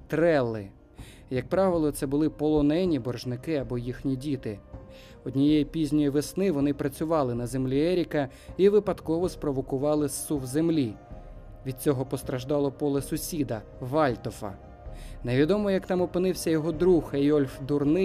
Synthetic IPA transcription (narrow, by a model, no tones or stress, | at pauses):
t̪ɾɛlˠːɪ | jɐk̚pɾɑʋɪlˠɔt̪sɛbʊlˠɪpɔlˠɔnɛnʲibɔrʒnɪkɪɐbɔjixnʲidʲit̪ɪ | ɔd̪ʲnʲijɛjipʲizʲnʲɔjiʋesnɪʋɔnɪpɾɐt͡sʲʊʋɑlˠɪnɐzemlʲiɛɾʲikɐ | iʋɪpɐd̪kɔʋɔspɾɔʋɔkʊʋɑlˠɪsuwzemlʲi | ʋʲid̪̚t͡sʲɔɦɔpɔst̪ɾɐʒd̪ɑlˠɔpɔlˠɛsʊsʲid̪ɐ | ʋɑlʲt̪ɔfɐ̰ | neʋʲid̪ɔmɔjɐkt̪ɑmɔpɪnɪwsʲɐjɔɦɔd̪ɾuxɐjɔlʲfd̪ʊrnɪ